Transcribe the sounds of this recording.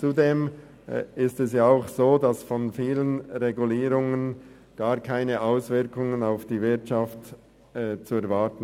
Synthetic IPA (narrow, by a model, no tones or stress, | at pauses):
t͡sudeːm | ɪstɛsjaːaʊxsoːdasfɔnfiːlənʁeɡuliːɾʊŋən | ɡ̥aːʁkʰaɪnəʔaʊsv̥ɪɐkʰʊŋənaʊfd̥iːvɪɐtt͡ʃaftː | t͡suɛɐɾvatən̩